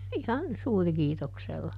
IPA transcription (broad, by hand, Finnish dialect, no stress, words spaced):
ihɑn suːrĭkiːtokselːɑ